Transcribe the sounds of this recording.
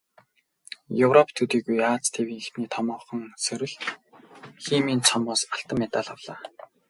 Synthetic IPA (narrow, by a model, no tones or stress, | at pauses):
jɵwrɔpʰt̪ʰɵt̪iːɣujaːt͡st̪ʰewiːŋxt̪niːt̪ʰɔmɔːχɞ̆ŋsɵɾʲɘ̆ɮ | xiːmiːnt͡sʰɔmʊːsaɬt̪ə̆mːæt̪aːɮawɮ̥aː